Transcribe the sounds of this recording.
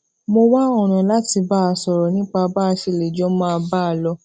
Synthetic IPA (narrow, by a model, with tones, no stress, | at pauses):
mo˧wa˦ɔ̃˦˨ɾ̃ã˨la˦ti˧ba˦a˧sɔ˨ɾɔ˨nĩ˦k͡pa˧ba˦a˧ʃe˧˨le˨d͡ʒɔ˦mãː˦˧ba˦˧˨lɔ˧